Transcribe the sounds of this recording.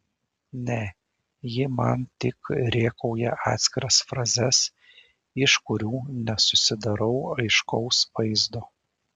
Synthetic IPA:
nʲɛ | jɪmɐnt̪ʲɪkɾʲeːkɔʊjɛʔɑːt̪sʲkʲɪɾɐsfɾɐzʲɛs | ɪʃkʊɾʲuːnʲɛsʊsʲɪd̪ɐɾɒʊɐɪʃkɔʊsʋɐɪzd̪ʊ

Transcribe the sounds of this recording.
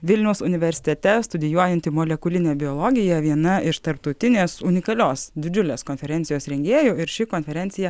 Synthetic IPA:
ʋʲɪlʲnʲɛʊsʊnʲɪʋʲɛɾʲsʲɪ̥t̪ʲɛt̪ʲɛst̪ʊd̪ʲɪjuɔjɛnʲt̪ʲɪmoːlʲɛkʊlʲɪnʲeːbʲɪjoːlˠoɡʲɪjɛʋʲiɛnɐɪʃt̪ɐɾp̚t̪ɐʊt̪ʲɪnʲeːsʊnʲɪkɐlʲoːsd̪ʲɪd͡ʒʲʊlʲeːskoːnʲfʲɛɾʲɛnt̪sʲɪjoːsɾʲɛŋʲɡʲeːjoːɪɾʃʲɪkoːnʲfʲɛɾʲɛnʲt̪sʲɪjɛ

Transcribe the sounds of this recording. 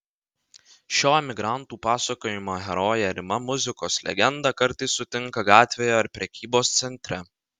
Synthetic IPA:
ʃʲoːɛmʲɪɡɾɑˑnt̪uːpɑːsɐkoːjɪmoːɦʲɛɾɔːjɛɾʲɪmɐmʊzʲɪkoːslʲɛ̰ɡʲɛnd̪ɑˑkɐɾt̪ɐɪsːʊt̪ʲɪŋˑkɐɡɑːt̪ʲʋʲeːjoːɪɾpʲɾʲɛkʲiːboːst̪sʲɛnʲt̪ʲɾʲɛ

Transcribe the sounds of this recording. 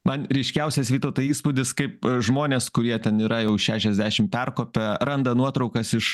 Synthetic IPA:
mɐnɾʲɛɪʃʲkʲɛʊsʲɛsʋʲiːt̪oːt̪oiːspʊd̪ʲɪskɐɪpʒmoːnʲeːskʊɾʲiɛt̪ʲɛniːɾɐjɛʊʃʲæːʃʲɛzʲd̪ʲæːʃʲɪmpʲɛrkoːpʲɛɾɐnd̪ɐnuɔt̪ɾɒʊkɐsɪʃ

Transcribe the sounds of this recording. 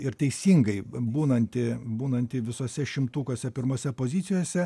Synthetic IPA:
ɪɾt̪ʲɛɪsʲiːŋɡɐɪbuːnɐnʲt̪ʲɪbuːnɐnʲt̪ʲɪʋʲɪsoːsʲɛʃʲɪmt̪uːkoːsʲɛpʲɪɾmoːsʲɛpoːzʲɪt̪sʲɪjoːsʲɛ

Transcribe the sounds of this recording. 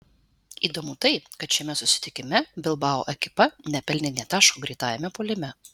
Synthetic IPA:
iːd̪oːmut̪ɐɪkɐt̪ʃʲɛmʲɛsʊsʲɪ̥t̪ʲɪkʲɪmʲɛbʲɪlˠbɑːo̰ːʔɛkʲɪ̥pɐnʲɛpʲɛlʲnʲɪnʲɛt̪ɑːʃkoːɡɾʲɛɪt̪ɑːjɛmʲɛpoːlʲɪmʲɛ

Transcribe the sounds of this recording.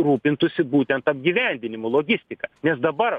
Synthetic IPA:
ɾuːpʲɪnt̪ʊsʲɪbuːt̪ʲɛnt̪ɐb̚ʲɡʲiʋʲɛnʲd̪ʲɪnʲɪmʊlˠoːɡʲɪsʲt̪ʲɪkɐnʲɛsd̪ɐbɐɾ

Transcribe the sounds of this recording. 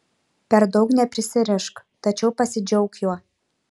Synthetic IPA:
pʲɛɾd̪ɒʊknʲɛpʲɾʲɪsʲɪɾʲɛʃkt̪ɐt͡ʃʲɛʊpɐsʲɪd͡ʒʲɛʊkjuɔ

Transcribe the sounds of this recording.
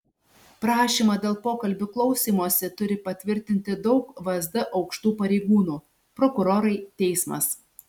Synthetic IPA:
pɾɑːʃʲiːmɐd̪ʲeːlˠpoːkɐlʲbʲʊklˠɒʊsʲiːmoɔsʲɪt̪ʊɾʲɪpɐt̪ʲʋʲɪɾʲt̪ʲɪnʲt̪ʲɪd̪ɒʊkʋɐzd̪ɐʔɒʊkʃt̪uːpɐɾʲɛɪɡuːnuː | pɾɔkʊɾoːɾɐɪt̪ʲɛɪsmɐ̰s

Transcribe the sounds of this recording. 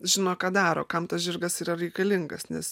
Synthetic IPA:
ʒʲɪnoːkɑːd̪ɑːɾo̰ːkɐmt̪ɐsʒʲɪrɡɐsiːɾɐɾʲɛɪkɐlʲɪŋɡɐsnʲɛs

